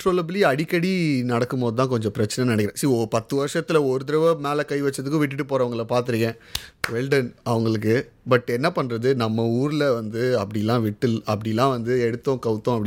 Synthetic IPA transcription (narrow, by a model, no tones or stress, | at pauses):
ʈɾoːlɐbɪliɐɽɪkːɐɽinɐɽɐkːɯmpoːðɯt̪ãːkɔɲd͡ʒɔ̃pɪɾɐt͡ʃːɐnɐnɐɽɐkɪɾɐ̃siːopɐt̪ːɯʋɐɾʂɐt̪ːɪlɐɔɾɯt̪ɪɾɐʋɐmeːlɐkɐɪʋɐt͡ʃːɾɐðɯkːɯ̃ʋɪʈːɯʈːɯpoːɾɐːʋɐŋɡɐɭɐpaːɾt̪ɯɾɯŋɡẽːʋɛɭɖɐnɐʋɐŋɡɐɭɯk̬ːɯbɐʈːɛnːɐpɐɳːɾɐðɯnɐmːɐuːɾɯlɐʋɐnd̪ɯɐpːɐɽɪjɛlːãːʋɪʈːɯlɐpːɐɽɪjlːãːʋɐnd̪ɯɛɽɯt̪ːõkɐʋt̪ːõɐpːɐɽɪ